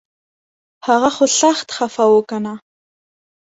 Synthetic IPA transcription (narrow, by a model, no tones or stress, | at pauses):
haɣaxosaxt̪xafawokana